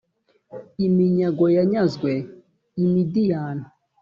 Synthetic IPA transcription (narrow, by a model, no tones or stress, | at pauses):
imiɲaɡojaɲazɡwɛ | imidijaːna